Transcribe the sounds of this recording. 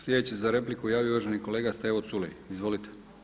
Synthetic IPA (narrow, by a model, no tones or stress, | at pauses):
slʲed̪et͡ɕisezaɾe̞plikujaːʋiouʋaʒeniko̞le̞ːɡast̪eʋot̪sulḛjizʋo̞lit̪e̥